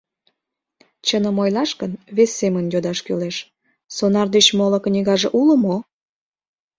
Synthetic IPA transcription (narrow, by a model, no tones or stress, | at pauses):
t͡ɕənəmojlɑʃkənβesːemənjod̪ɑʃkyleʃ | sonɑrd̪et͡ɕmolə̆knʲiɣɑʒeʔuləmo